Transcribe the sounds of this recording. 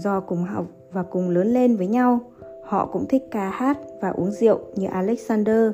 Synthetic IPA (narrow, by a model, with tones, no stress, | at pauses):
zɔ˧˩kʊ˨˩ŋ͡mɦa̰˧˨w̚ | vaː˨˩kʊ˨˩ŋ͡mləː˨˦nle˧nvəː˨˦jɲa˧w | hɔ̰˧˨kʊ̰˧˥ŋ͡mt̪ʰï˦˥k̟̚kaː˧haː˦˥t̚vaː˨˩ʔu˨˦əŋzḭ˧˨əwɲɨ˧ʔaː˧lɛ˦˥k̚saː˧nɗəː˧